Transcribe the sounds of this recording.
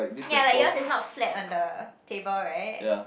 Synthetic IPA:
jalajɔsɪtsnɔtflɛtãndətʰebəlɹaɪʔ̚j

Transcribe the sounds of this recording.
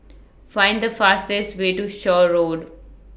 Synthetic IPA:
fãɪ̃nɖd̪əfaːstesʋeːʈuʃɔːɾoːɖ

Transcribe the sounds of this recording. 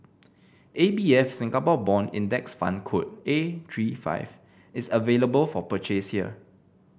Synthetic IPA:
ʔebiɛfsĩŋɡapɔbɔ̃nḭ̃ndɛksfã̰nkʰot̚etʰɹifa̰ɪv | ɪsəveləbəlfɔpət͡ʃeshiə̰

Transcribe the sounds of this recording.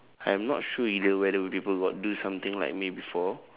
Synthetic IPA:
ãjɛ̃mnɔ̰t̚ʃuiləlwɛdəwipipəlɡɔt̚dusãmt̪ɪ̃ŋla̰ɪk̚mibifɔ

